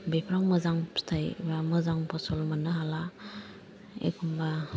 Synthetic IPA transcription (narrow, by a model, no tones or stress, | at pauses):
bepʰɾaŋmɯzaŋstʰajbamɯzaŋpʰɔsɔlmanɯɦala | ḛkʰumba